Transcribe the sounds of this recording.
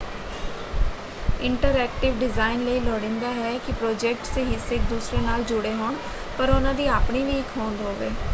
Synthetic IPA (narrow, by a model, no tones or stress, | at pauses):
ɪɳʈəɾɛːk̚ʈɪʋɖɪzaːɪnləiːlɔːɽẽːnd̪aːɦɛːkɪpɾɔːd͡ʒɛːk̚ʈseɦɪsːeːk̚d̪uːsɾeːnaːld͡ʒʊɽeːɦoːɳ | pəɾʊnãːd̪iːaːpɳiːʋiːɪkʰoːnd̪oːʋeː